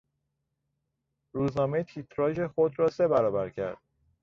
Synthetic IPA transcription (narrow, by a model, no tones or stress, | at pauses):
ɾuːznɒːmet̪ʰit̪ʰɾɒːʒe̞xod̪ɾɒːse̞bæɾɒːbæɾcʰæ̰ɾd̪̥̚